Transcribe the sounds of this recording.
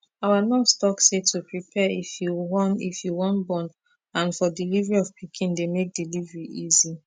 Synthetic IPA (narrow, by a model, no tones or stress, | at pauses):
awanɔvstɔksetʰupɹipʰɛifjuwɔ̃nḭfjuwɔ̃nbɔ̃n | ãnfɔdilivəɹiɔv̥pʰikʰĩndemek̚d̥ilivɹiʔizi